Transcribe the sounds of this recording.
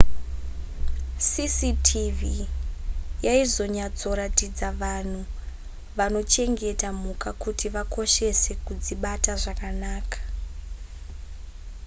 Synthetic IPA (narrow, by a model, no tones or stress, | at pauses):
sisitʰivi | jaizo̞ɲad͡zo̞ɾatid͡zaʋan̤u | ʋano̞t͡ʃe̞ŋɡe̞tam̤ukakutiʋako̞ʃe̞se̞kud͡ziɓataʐakanaːkḁ